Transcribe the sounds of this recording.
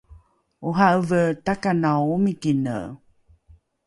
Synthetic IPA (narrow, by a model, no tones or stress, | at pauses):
uɦaʔəvət̪akanawumikinə̰